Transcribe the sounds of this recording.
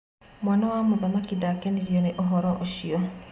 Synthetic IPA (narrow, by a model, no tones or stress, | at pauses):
mwanɔwamoðɔnakidakɛniɾiɔneʔɔɦɔɾɔʔoʃiɔ